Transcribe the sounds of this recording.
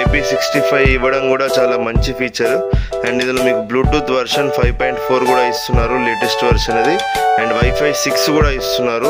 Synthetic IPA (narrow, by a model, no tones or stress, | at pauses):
epiːsiksʈipʰɐjʋiʋːɐɽɐmkuːɽaːt͡ʃaːlaːmɐɲt͡ʃipʰiːt͡ʃɐɾu | eɳɖind̪ɐloːmiːkubluːʈuːt̪ʋɐɾʂɐnpʰɐjʋpojɳʈpʰoːɾkuːɽaːist̪unːaːɾuleːʈesʈʋɐɾʂɐnɐd̪ieɳɖʋɐjpʰɐjsikskuːɽaːist̪unːaːɾu